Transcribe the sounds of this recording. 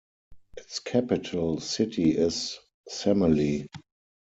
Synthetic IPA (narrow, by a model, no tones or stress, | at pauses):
ʔɪtskʰæpɪtʰəlsɪtʰiɪs | sɛməli